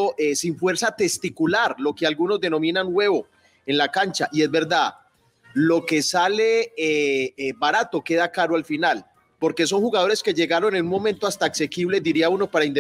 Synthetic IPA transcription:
oʔesiɱfwe̞ɾsat̪e̞st̪ikulaɾlo̞kealɡuno̞zd̪e̞no̞mĩnaŋɡwe̞βo̞ | e̞nlakant͡ʃaʔie̞zbe̞ɾd̪að | lo̞ke̞saleebaɾat̪o̞ke̞ðakaɾoalfinal | po̞ɾkeso̞ŋxuɣað̞o̞ɾe̞ske̞ʝe̞ɣaɾo̞ne̞nunmo̞ment̪oast̪aːkse̞kiβle̞d̪iɾiauno̞paɾaind̪e

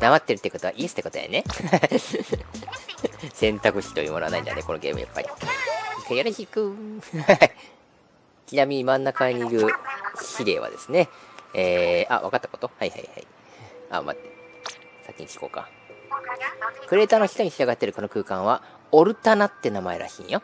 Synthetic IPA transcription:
d̪amat̪ːeɾɯ̟t̪ːeiɯ̟ko̞t̪o̞a̰ʔiːsɨ̥t̪ːeko̞t̪oja̰ne̞ | sẽ̞nt̪akɯ̟ɕi̥t̪o̞jɯ̟ːmonoanaiɲd̪a̰neko̞no̞ɡe̞ːmɯ̟ja̰pːa̰ɾʲi | kajaɾeçikɯ̟ha | kʲinamʲiɲ̟imãnːakaɲ̟iːɾɯ̟ɕiɾe̞ːβa̰d̪e̞sɨne̞eːa̰βa̰kat̪ːako̞t̪o̞haiha̰iha̰i | a̰ma̰t̪ːe | sakʲiɲikʲi̥ko̞ːka̰ | kɯ̟ɾe̞ːt̪aːno̞çi̥t̪o̞ɲ̟içiaɡat̪ːe̞ɾɯ̟ko̞no̞kɯ̟ːkãɰ̃βa | o̞ɾɯ̟t̪anat̪ːe̞namae̞̰ɾa̰ɕḭ̃jo

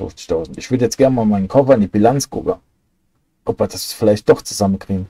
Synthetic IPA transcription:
ʊ̰ft͡sɪ̥çtʰaʊzn̩tɪçv̥ʏɐdəjɛt͡sɡ̥ɛɐnmaːlmaɪnən̩kʰɔfɐandib̥ilant͡sɡ̥ʁʊ̰pə | ʔɔpviːɐd̥asfɪlaɪçtd̥ɔχt͡suzamənkʁ̥iːɡn̩

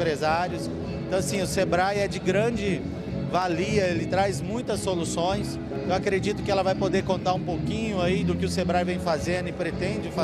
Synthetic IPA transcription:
pɾezaɾjʊs | ẽt̪ɐ̃w̃asĩʊsebɾajɛd͡ʒɪɡɾɐ̃d͡ʒɪ | valiɐelɪt̪ɾajzmũj̃t̪ɐsːolusõj̃s | ewakɾed͡ʒit̪ʊkɪɛlɐvajpod̪eɾkõnt̪aɾũpowkĩɲʊaid̪ʊkɪʊsebɾajvẽj̃fazẽnd̪ʊɪpɾet̪ẽd͡ʒɪfa

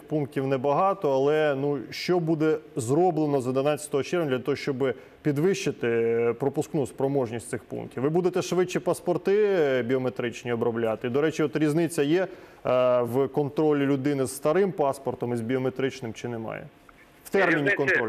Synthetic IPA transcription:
ɪxpunk̚tʲiwnɛbɐɦɑt̪ɔɐlˠɛnuʃt͡ʃɔbud̪ɛzɾɔblˠenɔzɔd̪enɑt̪ʲt͡sʲɐ̥t̪ɔɦɔt͡ʃɛrʋʲd̪lʲɐt̪ɔɦɔʃt͡ʃɔbɪ | pʲid̪ʋɪʃt͡ʃɪt̪ɪpɾɔpʊsknuspɾɔmɔʒnʲisʲsɪxpṵnktʲiwʋɪbud̪et̪ɛʃʋɪt͡ʃːipɐspɔrt̪ɪbʲiɔmet̪ɾɪt͡ʃnʲiɔbɾɔblʲat̪ɪid̪ɔɾɛt͡ʃiɔt̪ɾʲiznɪt͡sʲːɐjɛ | wkɔnt̪ɾɔlʲilʲʊd̪ɪnɪz̥st̪ɐɾɪmpɑspɔrt̪ɔmizbʲiɔmet̪ɾɪt͡ʃnɪmt͡ʃɪnemɑ̰jḛ | wt̪ɛrmʲinʲikɔnt̪ɾɔ

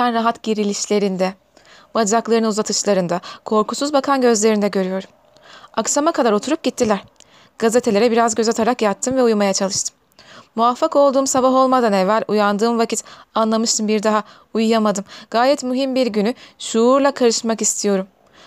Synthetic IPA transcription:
ænɾaɦat̪ɟiɾilʲiʃlʲe̞ɾind̪ɛ | bad͡ʒaklˠaɾɯnɯnuzat̪ʰɯt͡ʃlˠaɾɯnd̪akʰo̞ɾkʰusuzbakʰanɟø̞zlʲe̞ɾind̪ɛɟø̞ɾyjo̞ɾum | aksamakʰad̪aɾo̞t̪ʰuɾup̚ɟit̪ʰːilʲæɾ̥ | ɡ̥azet̪ʰe̞lʲe̞ɾɛbiɾazɟø̞zat̪ʰaɾakjat̪ʰːɯmvɛujmajat͡ʃʰalˠɯʃt̪ʰɯ̥mː | uvafːako̞lˠd̪uːmsabaɦo̞lˠmad̪anɛvːælʲujand̪ɯːmvacʰit̪anlˠamɯʃt̪ɯmbiɾd̪aɦa | ujujamad̪ɯmɡ̥aːjɛt̪myɦimbiɾɟynyʃuːɾlˠakʰaɾɯʃmakist̪ʰijo̞ɾum

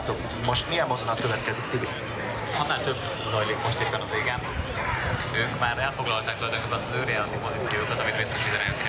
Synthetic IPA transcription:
t̪ok | moʃt̪mijɛmmozonɒt̪køvɛt̪kɛzikt̪ybi | onːaːlt̪øb | zɒjliːkmoʃt̪epːɛnɒveːɡɛn | øːŋkmaːɾɛlfo̞ɡlɒlt̪aːk̚t̪olɒjd̪oŋkøbsɒzøːɾjaːlɒnt̪ipo̞zit̪sijoːkɒt̪ɒmit̪meːst̪ɛʃid̪ɛnɛk

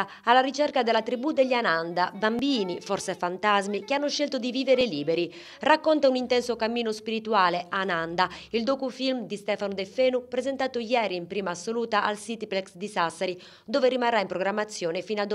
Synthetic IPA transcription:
alːarit͡ʃɛrkad̪ɛlat̪ɾibud̪eʎːanand̪abambiːnifɔɾsɛfant̪azmik̟eanːʊʃːɛlt̪ʊd̪iviːveɾeliːbeɾi | rakːɔnt̪aunint̪ɛnsokamːiːnospiɾit̪uaːleanand̪aild̪oːkufilmd̪ist̪ɛːfanud̪ɛfeːnupɾɛzɛnt̪aːt̪ʊjɛːɾiːmpɾiːmaːsːoluːt̪aʔalsiːt̪iplɛksd̪isasaɾi | d̪oːverimarːaimpɾoɡɾamːat̪sːjɔːnefiːnad̪

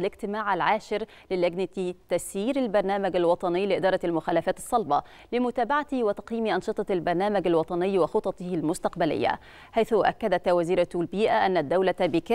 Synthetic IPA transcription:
lɪɡ̚t̪ɪmaːʕalʕaːʃɪɾ | lɪlːaɡnat̪it̪æsiːɾalbɑɾˤnæːmaɡalwɑt̪ˤɑnɪjːlɪʔɪd̪ɑːɾˤɑlmʊxaːlafæːt̪ɑ̥sˤːɑlbɑ | lɪmʊt̪æːbaʕat̪iwɪt̪ɑ̥qjiːmiʔɑnʃɨt̪ˤɑlbɑɾˤnæːmaɡalwɑt̪ˤɑnɪjːwɪxot̪ˤɑt̪ɨhlmʊst̪ɑqbalɪ̰jːa̰ | ħajθʊʔa̰kːad̪æt̪wæziːɾat̪lbiːʔaʔanːad̪ːawlabɪk

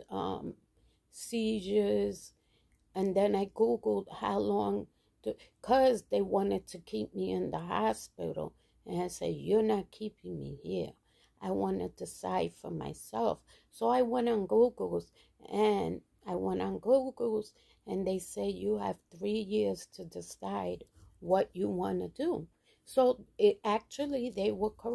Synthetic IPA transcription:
ʌ̰̃m | siʒə˞z | ɨ̃nðɨ̃naɪɡuɡl̩ˠd̥̚ha̰ʊlɔ̃ŋ | tɨkʰʌzðeɪwɑ̃nɨd̚tʰɨkʰip̚miɪ̃nðəɦɑspɪ̰ɾl̩ˠ | ɨ̃naɪsɛ̰djə˞nət̚kʰipɪ̃ŋmḭhiɹ | ʔaɪwɑ̃nɪ̰d̚tʰɨsa̰ɪd̥fə̰˞ma̰ɪsɛlˠf | soʊaɪwɛ̃ñn̩ɡuɡl̩ˠz̥ | ɨ̃n | aɪwɛ̃ñn̩ɡuɡl̩ˠz̥ | ɨ̃nðeɪsɛdjɨɨ̰v̥θɹijɪɹz̥tʰɨdɪsaɪd̚wʌt͡ʃɨwɑ̃nɨdu | soʊɪæk̚t͡ʃul̩ˠiðeɪwə˞kʰə

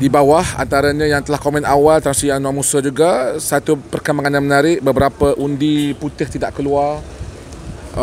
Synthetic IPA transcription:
dibawaha̰nt̪aɾaɲãjaŋt̪əlahkomɛ̃nawalt̪ɾasijaŋnũamusəd͡ʒuɡasat̪upərkəmaŋananmənaɾɪʔbəbəɾapəʔundiput̪ɪht̪idaʔkəluar

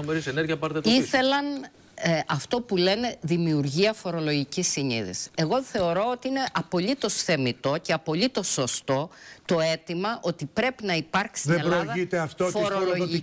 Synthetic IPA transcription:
meɾiseneɾʝɐpɐɾt̪et̪iθe̞lɐn | ɐft̪o̞pule̞ne̞ðimiuɾʝiɐfo̞ɾo̞lo̞ʝicisːiɲḭðḭse̞ɣo̞θe̞o̞ɾo̞ot̪iine̞ʔɐpo̞lit̪o̞sθe̞mit̪o̞ce̞ɐpo̞lit̪o̞so̞st̪o̞t̪o̞e̞t̪imɐʔo̞t̪ipɾe̞pinɐipɐɾksiseelloðɐit̪eɐft̪ofoɾoloʝi

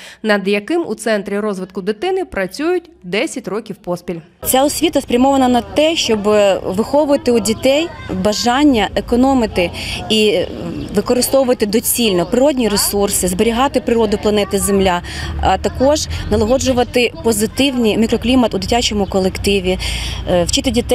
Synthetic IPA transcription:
nɐd̪jɐkɪmṵt̪sɛnt̪ɾʲiɾɔzʋɪt̪kʊd̪ɪt̪ɪnɪpɾɐt͡sʲujʊtʲd̪ɛsʲɐtʲrɔkʲiwpɔspʲilʲ | t͡sʲaɔsʲʋʲit̪ɐspɾʲɐmɔʋɐnɐnɐt̪ɛʃt͡ʃɔbʋɪxɔʋʊʋɐt̪ɪudʲit̪ɛjbɐʒɑnʲːɐʔekɔnɔmɪt̪ɪi | ʋɪkɔɾɪst̪ɔʋʊʋɐt̪ɪd̪ɔt͡sʲilʲnɔpɾɪɾɔdʲnʲiɾesursɪzbeɾʲiɦɑt̪ɪpɾɪɾɔd̪ʊplˠɐnɛt̪ɪzemlʲaɐt̪ɐkɔʒnɐlˠɐɦɔd͡ʒʊʋɐt̪ɪpɔzɪt̪ɪwnʲimʲikɾɔklʲimɐt̪ʊd̪ɪtʲat͡ʃɔmʊkɔlˠekt̪ɪʋʲiwt͡ʃɪt̪ɪdʲit̪ɛ

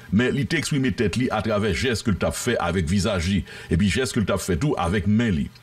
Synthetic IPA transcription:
mɛ̃lit̪eɛkspʁimet̪ɛtliʔat̪ʁavɛʒɛstkəlt̪apfɛʔa̰vɛkvizaʒli | ep̬ɥiʒɛst̚kəlt̪apfɛtuʔa̰vɛk̚mɛ̃lḭ

